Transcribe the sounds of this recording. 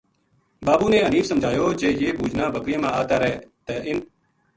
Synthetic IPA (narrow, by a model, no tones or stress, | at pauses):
baːbuːneːəniːfsəmd͡ʒʱaːjoːd͡ʒeːjeːbʱuːd͡ʒnãːbəkɾɪẽːmãːaːt̪aːɾɛːt̪eːʔɪn